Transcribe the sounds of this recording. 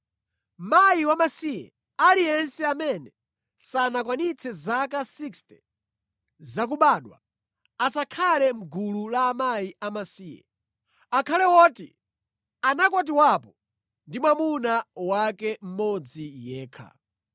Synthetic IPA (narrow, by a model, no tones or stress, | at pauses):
majiwamasijɛ̰ | alijɛnsɛamɛnɛ | sanakwanit͡sʰɛzakasikstɛ | zak̬uɓaːɗwa̰ | asakʰalɛm̩ɡululaːmajiamasiːjɛ̰ | akʰalɛwɔːtḭ | anakɔt̬iwapɔ | ndimwamunawakɛm̩mɔd͡zijɛːkʰa̰